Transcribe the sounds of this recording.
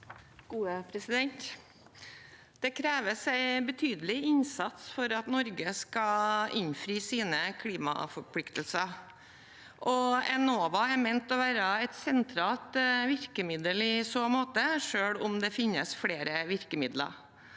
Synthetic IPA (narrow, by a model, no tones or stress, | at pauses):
ɡ̥uːəpʰɾɛsɪd̪ɛnt̪ | d̪̥ɛkʰɾeːʋəsæɪbət̪ʰyːd̪əlɪɪnsɑt̪sfɔɾɑt̪nɔɾɡəskɑɪnfɾiːsiːnəkʰliːmɑ̰fɔɾpʰlɪkt̪əlsəɾ | ʔɔɛnoːʋɑɛɾmɛɪnt̪ɔʋæːɾəɛt̪sɛnt̪ʰɾɑːlt̪ʋɪɾkəmɪd̪əlɪsoːmoːt̪əʂøːɽʊmd̪ɛfɪnːəsfɽeːɾəʋɪɾkəmɪd̪lə̰ɾ